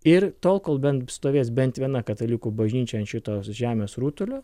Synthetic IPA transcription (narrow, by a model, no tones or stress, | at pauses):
ɪɾt̪oːlˠkoːlˠbʲɛnt̪st̪oːʋʲeːsbʲɛnt̪ʋʲiɛnɐkɐt̪ɐlʲɪkuːbɐʒʲnʲiːt͡ʃʲɛɐnt̪ʃʲɪt̪oːʒʲæːmʲeːsɾuːt̪ʊlʲoː